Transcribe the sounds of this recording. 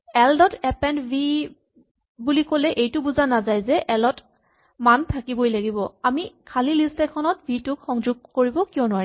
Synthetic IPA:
ɛldɔtʰɛpɛnbʱi | bulikolɛʔejtʊbuzanazajzɛʔɛlɔt | mantʰakibojlaɡibɔamikʰalilistɛkʰɔnɔtbʱitʊkxɔŋzʊɡ̚koɹibɔkiɔ̃nʊwaɹi

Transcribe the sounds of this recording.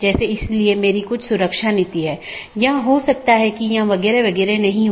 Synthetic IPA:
d͡ʒɛːseɪsliemeːɾikʊt͡ʃʰsʊɾəkʃanɪt̪iɦɛːjɐɦãɦosɐk̚t̪aɦɛkijɐɦãʋɐɣɛːɾeʋɐɡɛːɾenɐɦĩ

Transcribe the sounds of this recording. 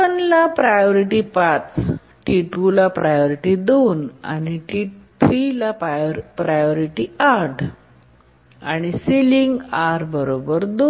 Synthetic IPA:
ənlapɾajoɾiʈipat͡s | ʈiʈulapɾajoɾiʈid̪ona̰ñiʈit̪ʰɾilapɾpɾajoɾiʈiaʈʰ | aɽ̃isiliŋɡaɾbəɾobəɾd̪o

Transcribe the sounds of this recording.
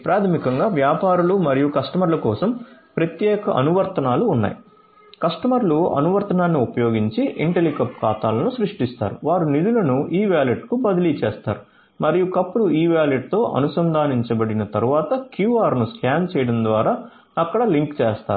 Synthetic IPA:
pɾaːt̪ʰɐmikɐŋɡaːʋjaːpaːɾulumɐɾijukɐʂʈɐmɐɾlɐkɔːsɐmpɾɐt̪jɛːkɐʔɐnuʋɐɾt̪ɐnaːluːnːa̰ːji | kɐʂʈɐmɐɾluɐ̰nuʋɐɾt̪ɐnaːnːiupɐjo̞ːɡiɲt͡ʃiʔiɳʈelikɐpːkaːt̪aːlɐnusɾuʂʈist̪a̰ːɾṵʋaːɾunid̪ulɐnuʔiːʋjaːliʈkubɐd̪ɐliːt͡ʃɛːst̪a̰ːɾu | mɐɾijukɐpːuluiːʋjaːleʈ̚t̪o̞ːʔɐ̰nusɐnd̪ʱaːniɲt͡ʃɐbɐɽinɐt̪ɐɾuʋaːt̪ɐkjuːaːɾnuskjaːnt͡ʃɛːjɐɽɐnd̪ʋaːɾaː | ɐkːɐɽɐliŋkt͡ʃeːst̪a̰ːu

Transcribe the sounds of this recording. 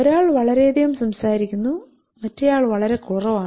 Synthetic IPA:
oɾaːɭʋɐɭɐɾe̞ːd̪ijumsɐmsaːɾikʲːunːu | mɐtːejaːɭʋɐɭɐɾe̞kurɐʋaː

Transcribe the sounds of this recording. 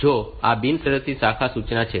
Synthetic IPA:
d͡ʒoa̰binsəɾəst̪ʰisakʰasut͡ʃnat͡ʃʰe

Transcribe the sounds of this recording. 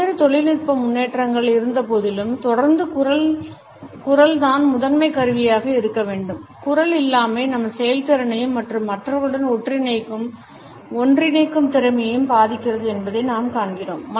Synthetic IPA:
ɐɾɯt̪ɔɭɪlnɪʈ̚pɐmʊnːeːʈrɐŋɡɐɭɪɾɯnd̪ɐpoːðɪlɯmt̪ɔɽɐɾnd̪ɯkʊɾɐ | kʊrɐlt̪aːnmʊðɐnmɐɪkɐɾɯʋɪjaːɣɐɪɾɯkːɐʋeːɳɖɯmkʊrɐlɪlːaːmeːnɐmːɐsɛjɐlt̪ɪɾɐɳɐjɯmːɐʈrɯmːɐʈrɐʋɯɽɐnɔʈrɪnɐɪkːɯm | ɔndrɪnɐɪkːɯmt̪ɪɾɐmɐjjɯmbaːðɪkʲːɪrɐðɯɛnbɐðɐɪnaːmkaːɳɡɪroːmːɐ

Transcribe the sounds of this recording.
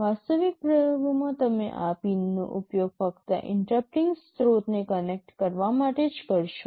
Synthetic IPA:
ʋast̪əʋikpɾəjobʱumãt̪əmḛʔapinːõ̰ʔʊpjoɡ̚fəkt̪ə̰ʔɪ̰ɳʈɾəp̚ʈɪŋɡst̪ɾot̪nekənek̚ʈkəɾʋamaʈed͡ʒkəɾʃo

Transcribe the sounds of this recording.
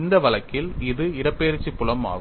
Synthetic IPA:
nd̪ɐʋɐlɐkːɪlɪðɯɪɾɐpːeːɾɯt͡ʃːipːʊɭɐma̰ːɣ

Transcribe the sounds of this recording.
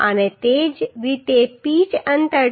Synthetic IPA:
a̰net̪eːd͡ʒʋit̪epiːt͡ʃənt̪ə

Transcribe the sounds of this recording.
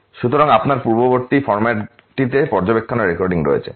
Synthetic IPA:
ʃut̪oɾaŋapnaɾpuɾboboɾt̪ifɔɾmaʈ | ʈit̪epɔɾd͡ʑobekʰːoneɾːekɔɾɖiŋɾo̰et͡ɕʰḛ

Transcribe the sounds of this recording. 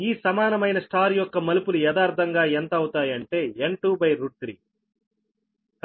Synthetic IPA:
iːsɐmaːnɐmɐjnɐsʈaːɾjɔkːɐmɐlupulujɛd̪aːɾd̪ʱɐŋɡaːent̪ɐɐwut̪aːjɐɳʈe̞ːeɳʈuːbɐjɾuʈ̚t̪ɾḭː | k

